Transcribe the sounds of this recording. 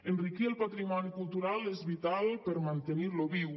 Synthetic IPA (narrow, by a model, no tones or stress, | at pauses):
enrikielˠpat̪ɾimɔnikulˠt̪uɾalezβit̪alˠpəɾmant̪eniɾloβiw